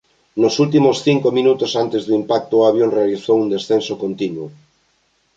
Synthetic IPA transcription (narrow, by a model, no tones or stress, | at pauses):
nosult̪̬imosθiŋkomĩnut̪osant̪ezðuimpak̚t̪oaβjonrealiθowund̪esθensokont̪inwo